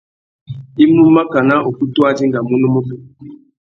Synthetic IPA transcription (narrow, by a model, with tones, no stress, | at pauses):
i˦mu˦ma˦ka˨na˦ʔo˨ku˦tu˦a˦d͡ʒi˦ŋɡa˨mu˦nu˦mu˦ku˦